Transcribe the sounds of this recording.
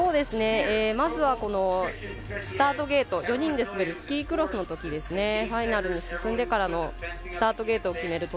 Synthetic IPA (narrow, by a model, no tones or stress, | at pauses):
o̞ːd̪e̞sɨne̞eːmazɨβako̞no̞ | sɨ̥t̪aːt̪o̞ɡe̞ːt̪o̞jo̞ɲ̟ĩnd̪e̞sɨbeɾɯ̟sɨ̥kʲiːkɯ̟ɾo̞sɨnot̪o̞kʲid̪e̞sɨne̞hainaɾɯ̟ɲ̟isɨsɨ̃nd̪e̞kaɾano̞sɨ̥t̪aːt̪o̞ɡe̞ːt̪o̞ːkʲime̞ɾɯ̟t̪o